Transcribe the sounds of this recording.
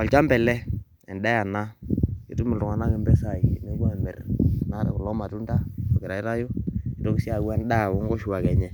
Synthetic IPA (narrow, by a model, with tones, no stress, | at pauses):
ɔ˨lt͡ʃa˦mbɛ˨lɛ˦ | ɛ̰˨nɗa˦ja˨na˦kḛ˨tu˦mɪ˨ltʊ˨ŋa˨na˦ŋe˨mbɛ˦sa˨i˨ne˦ɡa˦˨mɛ̰˨rna˦ɾɛ̰˨kʊ˨lɔ˦ma˨tu˦nda˦ɔ˨kɪ˨ɾa˨i˦ɾa˦jo˦i˨to˦ki˦si˦a˨ɡwa˦nda˦˨wo˦ŋɡɔ˦ʃu˨wa˨kɛ˨ɲɛ˦